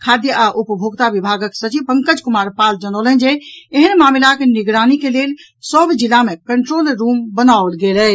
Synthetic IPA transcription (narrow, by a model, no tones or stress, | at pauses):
kʰad̪jəʔaʔupəbʱoɡt̪aʋibʱaɡəksət͡ʃipəŋkəd͡ʒkumaɾpald͡ʒənələnd͡ʒeeɦənmamlakeniɡɾanikelel | səbd͡ʒilːamekəɳʈɾoːlɾumbənaolɡelɛ